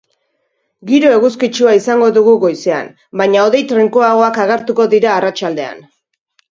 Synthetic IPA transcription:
ɡiɾo̞e̞ɣuskit͡ʃuaisaŋɡo̞ðuɣuɣo̞jsea̰n | baɲao̞ðe̞jt̪ɾeŋkoaɣo̞akaɣ̞e̞ɾt̪uko̞ðiɾaːrat͡ʃald̪e̞a̰n

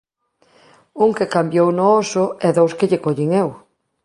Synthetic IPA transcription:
uŋkekambjownoosʊɛðowskeʎekoʎɪŋew

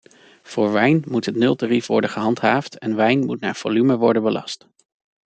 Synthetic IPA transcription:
v̥ʊːɹʋɛjnmutɦətnɵlˠtarifʋɔɹdənχəɦɑntɦaːftɛnʋɛjnmutna̰ːɹv̥olyməʋɔɹdənbəlɑ̰st

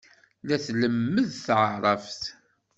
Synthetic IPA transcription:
læθləmːəðθʕəɾˤəft

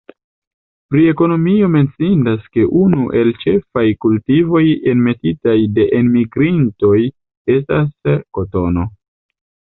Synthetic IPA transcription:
pɾie̞ko̞no̞mio̞me̞nt͡sindaske̞ʔunuʔe̞lt͡ʃe̞fajkultivo̞je̞nme̞titajde̞ʔenmiɡɾinto̞j | e̞stasko̞to̞no̞

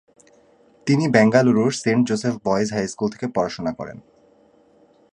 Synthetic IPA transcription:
t̪inibɛŋɡaluɾuʃseɳʈ̚d͡ʑosefbɔed͡ʑɦajskult̪ʰe̥kepɔɾaʃonakɔ̰ɾḛn

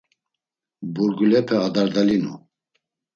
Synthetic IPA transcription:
buɾɡulɛpʰɛad̪aɾd̪alinṵ

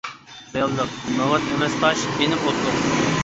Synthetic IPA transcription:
ɑjɑlˠd̪əq̚nɑwɑt̪emɛsqɑʃenɪpot̪d̪ʊq

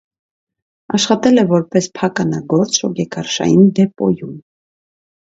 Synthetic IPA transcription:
ɑʃχɑt̪ɛlɛvɔɾpɛspʰɑkɑnɑɡɔɾt͡sɔɡɛkɑɾʃɑ̰jind̪ɛpɔ̰jum

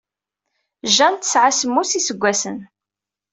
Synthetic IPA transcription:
ʒænt̪ːə̥sʕasəmːusisəɡʷːæsən

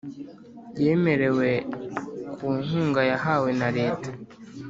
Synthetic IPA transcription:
je̞ːme̞ɾe̞we̞ | kʰuːŋhuːŋɡajaɦawe̞naɾe̞ːtḁ

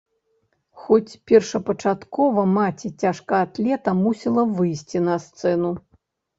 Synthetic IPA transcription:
xɔt͡sʲpʲɛrʂɐpɐt͡ʂat̪kɔvɐmat͡sʲit͡sʲaʂkaːt̪lʲɛt̪ɐmusʲilˠɐvɨjsʲt͡sʲinɐst̪sɛnu

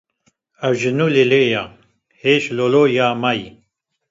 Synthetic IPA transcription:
aʒɨnuleleja | heːʃlolojaːmaji

